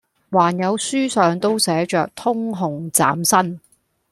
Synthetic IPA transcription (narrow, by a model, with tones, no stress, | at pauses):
waː˨˩njɐ˨˧wsyː˥sœː˨ŋt̪o˥wsɛː˨˥t͡ʃœː˨k̚t̪ʰʊ˥ŋɦʊ˨˩ŋt͡sa̰ː˨˥msɐ˥n